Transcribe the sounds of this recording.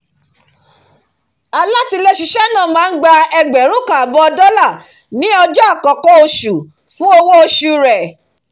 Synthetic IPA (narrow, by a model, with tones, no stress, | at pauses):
a˨˧la˦ti˧le˧ʃi˧ʃɛ˦nã˦˨mãː˨˦n̩˦ɡ͡ba˧ɛ˧ɡ͡bɛ˨ɾ̃ũ˦kã˨a˨bɔ˧ɔ˧dɔ˦la˦˨ | nĩ˨˦ɔ˧d͡ʒɔ˦a˦˨kɔ˨kɔ˦o˧ʃu˨ | fũ˦o˧wo˦o˧ʃu˧ɾɛ˨